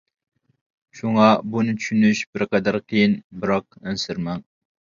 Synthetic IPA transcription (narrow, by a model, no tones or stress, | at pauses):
ʃuŋɑbunɪt͡ʃ̪ʰy̥ʃynyʃbɪɾqɑd̪æɾqʰijinbɨɾɑq̚ænsɪɾmɛŋ